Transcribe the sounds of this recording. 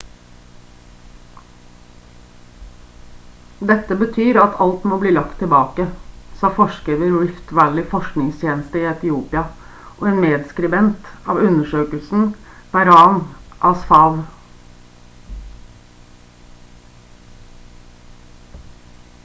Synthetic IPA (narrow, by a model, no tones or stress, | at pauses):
d̪ɛt̪ːəbət̪ʰyːɾɑt̪ʰɑlt̪moːbliːlɑkt̪ʰːɪbɑːkəsɑːfɔʂkɾiːʋəɾɹɪft̪ʋælɪfɔʂknɪŋst̪ʰjeːnəst̪əɪːɛt̪ɪuːpɪɑ | ʔɔeːnmeːd̪skɾɪbɛnt̪ɑːʋʉnəʂøːkəlsn̩b̥æɾɑːnʔɑsfɑːʋ